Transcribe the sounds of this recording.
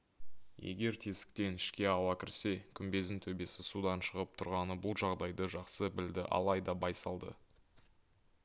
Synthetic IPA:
jḛɡʲe̞ɾt̪ʰe̞sɪ̥k̚t̪e̞nɪʃkʲe̞ɑwɑkʲʰɪɾse̞kʲʰʏmbe̞zɪnt̪ʰɵbe̞sɪsud̪ɑnʃəʁəp̚t̪ʰʊɾʁɑnəbʊlˠʒɑʁd̪ɑjd̪əʒɑqsəbɪld̪ɪʔɑ̰lˠɑjd̪ɑbɑjsɑlˠd̪ə̰

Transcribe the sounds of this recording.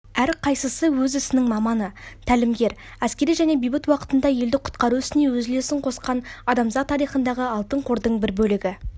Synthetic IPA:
æɾqʰɑjsəsəwɵzɪsɪnɪŋmɑmɑnət̪ʰælɪmɡʲe̞ɾ | æskʲe̞ɾijʒæne̞bijbɪt̪wɑqə̥t̪ənd̪ɑje̞ld̪ɪqʰʊ̥t̪qɑɾuʏst̪ɪne̞wɵzɪle̞sɪɴqʰo̞sqɑnɑd̪ɑmzɑt̪ʰːɑɾijχənd̪ɑʁəɑlˠt̪əɴqʰoɾd̪əɴbɪɾbɵlɪɡʲɪ

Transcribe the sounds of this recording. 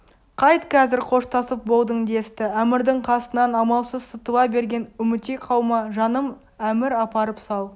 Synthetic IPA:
qʰɑjt̪kʲʰæzɪɾqʰo̞ʃt̪ɑsəp̚bo̞lˠd̪əɴd̪e̞st̪ɪæmɪɾd̪ɪɴqʰɑsənɑnɑmɑlˠsəzsət̪əwɑbe̞ɾɡʲe̞nʏmɪt̪eqʰɑwmɑʒɑnəm | æmɪɾɑpɑɾəpsɑw̪ˠ

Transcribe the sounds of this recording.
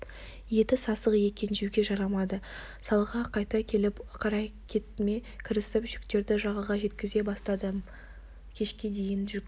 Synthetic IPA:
je̞t̪ɪsɑsəqje̞kʲe̞nʒywɡʲe̞ʒɑɾɑmɑd̪ə | sɑlˠʁɑqʰɑjt̪ɑkʲʰe̞lɪpqʰɑɾɑjkʲʰet̪me̞kʲʰɪɾɪsɪpʒʏkt̪e̞ɾd̪ɪʒɑʁəʁɑʒe̞t̪kʲɪze̞bɑst̪ɑd̪ə | kʲʰe̞ʃkʲe̞d̪e̞jɪnʒʏk̚

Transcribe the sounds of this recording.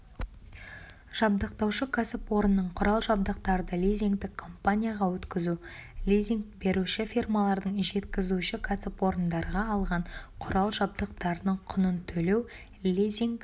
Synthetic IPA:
ʒ̥ɑb̚d̪əqt̪ɑwʃəkʲʰasɪpwo̞ɾənːəɴqʰʊɾɑlˠʒɑb̚d̪əq̚t̪ɑɾəd̪əlijziŋkd̪ɪkʰːo̞mpanʲijaʁɑwɵt̪kʲɪzulʲijzʲiŋkbe̞ɾuʃɪfirmalˠɑɾd̪əɴʒe̞t̪kʲɪzuʃɪkʲʰasɪpwo̞ɾənd̪ɑɾʁɑɑlˠʁɑɴqʰʊɾʔɑlˠʒɑb̚d̪əqt̪ɑɾənəɴqʰʊnənt̪ʰɵle̞w | lʲizʲiŋk

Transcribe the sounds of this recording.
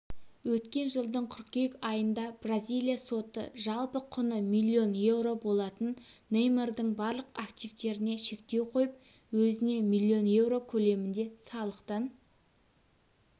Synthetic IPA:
wɵt̪kʲe̞nʒəlˠd̪əɴkʲʰʏɾkkʲe̞kɑjənd̪ɑb̥razʲijlʲˠijaso̞t̪ə̰ʒɑlˠpəqʰʊnəmilʲːio̞nje̞wɾo̞bo̞lˠɑt̪ənːejmerd̪əɴbɑɾlˠəqakt̪ivt̪e̞ɾɪne̞ʃe̞k̚t̪e̞wqʰo̞jəp̚ | wɵzɪne̞milʲːio̞nje̞vɾo̞kʲʰɵle̞mɪnd̪e̞sɑlˠəqt̪ɑn

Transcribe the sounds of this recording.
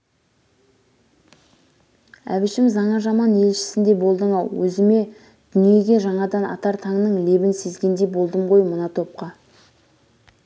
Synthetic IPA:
æ̰βɪʃɪmzɑɴɑʒɑmɑne̞lʃɪ̥sɪnd̪e̞bo̞lˠd̪əɴɑwˠwɵzɪme̞ | d̪̥ʏnije̞ɡʲe̞ʒɑɴɑd̪ɑnɑ̰t̪ɑɾt̪ʰɑŋnəɴle̞bɪnse̞zɡʲe̞nd̪e̞bo̞lˠd̪əmʁo̞jmənɑt̪ʰo̞p̚qɑ

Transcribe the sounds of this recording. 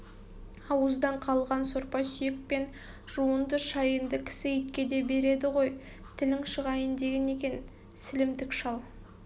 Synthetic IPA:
ɑwəzd̪ɑɴqʰɑlˠʁɑnsoɾpɑsʏjek̚pe̞n | ʒ̥uənd̪əʃɑjənd̪əkʲʰɪ̥sɪit̪̚kʲe̞d̪e̞be̞ɾe̞d̪ɪʁo̞j | t̪ʰɪlɪŋʃəʁɑjənd̪e̞ɡʲene̞kʲe̞n | sɪlɪmd̪ɪkʃɑlˠ

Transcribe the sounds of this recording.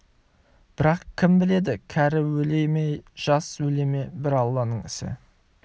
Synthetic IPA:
b̥ɪɾɑqkʲʰɪmbɪle̞d̪ɪkʲʰæɾɪwɵlejmejʒ̥ɑswɵle̞me̞bɪɾɑlˠːɑnəɴɪ̰sɪ̰

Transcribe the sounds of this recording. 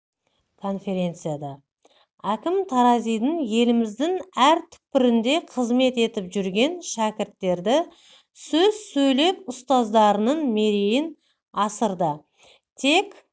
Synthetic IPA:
kʰo̞nfe̞ɾʲe̞nt̪sɨjad̪ɑ | ækʲɪmt̪ʰɑɾɑzijd̪əŋje̞lɪmɪzd̪ɪŋæɾt̪ʰʏ̥p̚pɪɾɪnd̪e̞qʰəzme̞t̪e̞t̪ɪpʒʏɾɡʲe̞nʃækʲɪɾt̪ːe̞ɾd̪ɪ | sɵz̥sɵjle̞pʊst̪ɑzd̪ɑɾənənme̞ɾejɪn | ɑsəɾd̪ə | t̪ʰe̞kʲ

